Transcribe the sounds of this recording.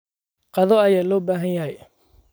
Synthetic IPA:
qɑðɔɐjaːlɔːbaːɦɐnjɐɦɛj

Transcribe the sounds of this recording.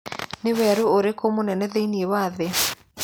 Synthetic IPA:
newɛɾuoɾekomonɛnɛðeiniewaðe

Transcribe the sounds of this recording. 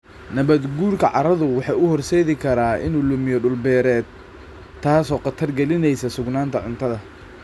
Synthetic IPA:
nɐβɐd̪ɡuːrkʰɐʕɑ̰ɾɐðʊwɑħɑjʊhɔrsɛːðɪkʰɐɾaːʔɪ̰nuːlʊmɪjɔɖʊlbɛːɾɛːd̪̚ | t̪ʰːaːsɔːqɑt̪ʰɐrɡɛlɪnɛjsɐsʊɡnaːnt̪ʰɐʕʊnt̪ʰɐðɐ

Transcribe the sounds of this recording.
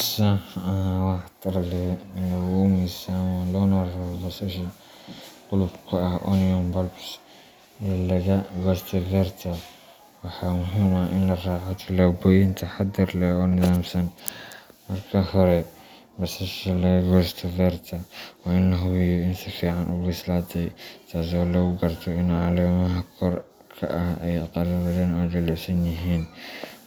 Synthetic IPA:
sɐɐawɑħt̪ʰɐɾɐlɛɪnɐwɔmisannlɔːnɔrɐwɔbɐsɐʃɐ | qʊlʊbkʰɐɐhʔɔ̰nɪɔmbɐlbs | ɛlɐɣɐɡɔst̪ʰɐvɛɾt̪ʰɐ | wɑħaːmʊɦɪmɐʔɪnlɐraːʕɔt̪ʰɪlaːbɔjɪnt̪ʰɐħad̪ɪɾlɛɔːnɪðaːmsɐn | mɐrkʰɐhɔɾɛ | bɐsɐʃɛlɐɣɐɡɔst̪ʰɐvɛrt̪ʰɐwɑɪnlɐɦʊwɪjɔɪnsɪfiːʕanʔʊɡɪslaːt̪ʰɛjt̪ʰaːs̬ɔːlɐɣʊɡɐrt̪ʰɔɪnʕalɛːmɐɦɐkʰɔr | kʰɐ̰ʔɐhɛ̰jqɑlɐɾɐlɛːnɛjdɐlɛsɐnjɪɦiːn

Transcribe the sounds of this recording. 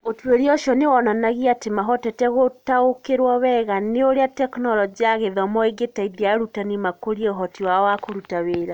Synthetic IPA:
otweɾiɔʃɔnewɔnanaɣiatemaɦɔtɛtɛɣotaokeɾwɔβɛɣaneoɾeatɛknɔlɔd͡ʒiaɣeðɔmɔeɡetaidiaɾutanimakoɾiɛoɦɔtiwaɔwakoɾutaweːɾa

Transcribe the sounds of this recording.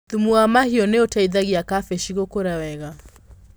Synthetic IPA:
ðumuamahiɔneotaiðaɣiakafeʃiɣokoɾawɛɣa

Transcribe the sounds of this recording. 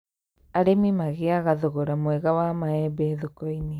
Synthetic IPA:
aɾemimaɣeaɣaðoɣoɾamwɛɣawamaɛbɛðokɔine

